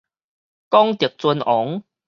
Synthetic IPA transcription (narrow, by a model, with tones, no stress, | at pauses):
kɔ˦ŋt̪i˨˩ək̚t͡su˧nʔɔ˨˦ŋ